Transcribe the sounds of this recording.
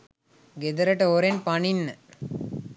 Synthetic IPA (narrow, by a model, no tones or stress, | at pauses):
ɡed̪əɾəʈəoɾenpaninːə